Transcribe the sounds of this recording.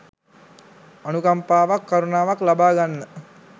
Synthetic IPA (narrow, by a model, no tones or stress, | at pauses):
anukampaːʋakːaɾunaːʋaklabaːɡanːə